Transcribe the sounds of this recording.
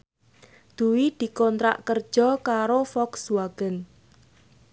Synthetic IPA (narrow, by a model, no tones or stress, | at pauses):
d̪̥uwid̪̥i̤kɔnt̪ɾa̰ʔkər̥ʒ̥ɔ̤kaɾofɔkswaɡ̥ə̤n